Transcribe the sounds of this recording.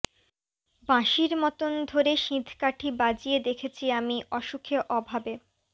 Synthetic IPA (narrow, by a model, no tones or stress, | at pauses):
bãʃiɾmɔt̪ond̪ʱoɾeʃĩd̪ʱkaʈʰibad͡ʑied̪ekʰet͡ɕʰiamiʔɔʃukʰeʔɔbʱabe